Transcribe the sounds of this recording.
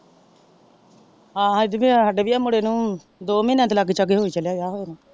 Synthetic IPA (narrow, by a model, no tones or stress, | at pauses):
ɦãːãːɪd̪bisaːɖeːʋiːaːmʊɽeːnũː | d̪oːmiːnɛ̃ːt̪ːlakːit͡ʃəɡeːɦoːiːt͡ʃəljaːjaːɦoːeːnaː